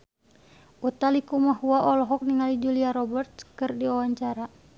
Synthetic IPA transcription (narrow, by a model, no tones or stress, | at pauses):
ut̪alikumaɦuaʔɔlɔɦɔk̚niŋalid͡ʒuliaɾɔbɛrt̪̚kɨrdiawaɲt͡ʃaɾa